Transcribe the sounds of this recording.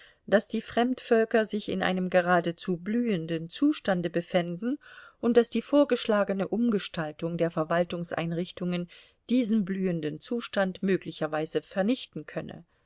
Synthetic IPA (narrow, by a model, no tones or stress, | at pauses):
d̥asd̥iːfʁ̥ɛmtfœlkɐzɪçɪ̰nʔa̰ɪnəmɡəʁaːdət͡suːblyːəndənt͡suːʃtandəbəfɛndn̩ʔʊnt̚d̥asd̥iːfoːɐɡəʃlaːɡənəʔʊmɡəʃtaltʊŋdeːɐfɛɐvaltʊŋsʔa̰ɪnʁɪçtʊŋən | d̥iːzn̩blyːəndənt͡suːʃtantmøːklɪçɐvaɪzəfɛɐnɪçtn̩kʰœnə̰